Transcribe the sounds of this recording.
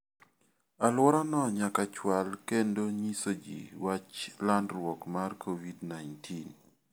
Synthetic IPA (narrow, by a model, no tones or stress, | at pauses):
alwɔɾanɔɲakat͡ʃwalkendoɲisod͡ʒḭwat͡ʃlandɾwɔkmarkʰovidnajntʰin